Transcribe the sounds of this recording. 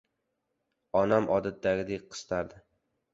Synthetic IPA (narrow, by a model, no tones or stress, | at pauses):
ɒnamʔɒd̪at̪̚d̪ːaɡʲɪd̪eqʰɨ̥st̪ʰaɾd̪ɪ